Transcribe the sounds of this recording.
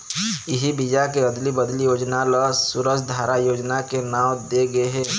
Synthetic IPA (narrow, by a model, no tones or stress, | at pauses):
ɪɦibid͡ʒakeɐd̪libəd̪lijoːd͡ʒnaləsʊɾəsd̪ʱaːɾajoːd͡ʒnakenãːwd̪eɡɐeɦɛ̃ː